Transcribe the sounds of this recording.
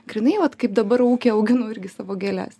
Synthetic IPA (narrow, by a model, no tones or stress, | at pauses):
ɡɾʲɪnɐɪʋɐt̪kɐɪp̚d̪ɐbɐɾuːkʲeːɐʊɡʲɪnʊɪɾʲɡʲɪsɑːʋoːɡʲeːlʲæ̰ːs